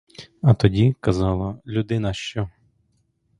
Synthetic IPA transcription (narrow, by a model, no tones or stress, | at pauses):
ɐt̪ɔdʲikɐzɑlˠɐlʲud̪ɪnɐʃt͡ʃɔ